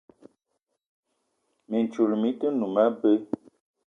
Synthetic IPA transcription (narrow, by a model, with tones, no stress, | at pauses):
mi˨n˨t͡ʃu˨lmi˨˦tə˦nu˨ma˦bə˦